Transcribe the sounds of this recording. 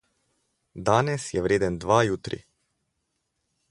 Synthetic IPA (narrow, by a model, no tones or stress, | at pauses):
d̪anɛsjɛʋɾʲed̪ɛnd̪ʋajut̪ɾḭ